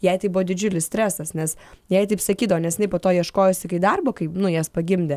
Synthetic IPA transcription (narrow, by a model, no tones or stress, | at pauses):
jɛɪt̪ɐɪbʊʋoːd̪ʲɪd͡ʒʲʊlʲɪssʲt̪ʲɾʲæsɐsnʲɛsjɛɪt̪ɐɪpsɐkʲiːd̪ɐʋoːnʲɛsjʲɪnɐɪpoːt̪oːjiɛʃkoːjoːsʲɪkɐɪd̪ɐrboːkɐɪpnʊjɛspɐɡʲɪmʲd̪ʲɛ